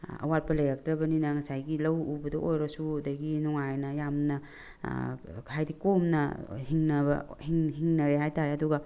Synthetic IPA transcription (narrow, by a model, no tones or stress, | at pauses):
ɐ̰wat̚pɐlɐjɾak̚tɾɐbɐninɐŋɐsajɡilɐwubɐdɐʔojɾɐsudɐɡinɔŋajnɐjamnɐ | kʰajdikomnɐ̰hiŋnɐbɐ̰hiŋɦiŋnɐɾeɦajtaɾeɐduɡɐ